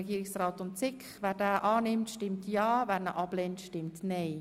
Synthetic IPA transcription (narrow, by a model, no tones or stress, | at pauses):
ɛɡiːɾɪksraːtʊntt͡sɪkχʋæːɾdæːʔɑːnɪmtʃtɪmtjɑːʋæːɾnəʔɑb̥leːntʃtɪmtnej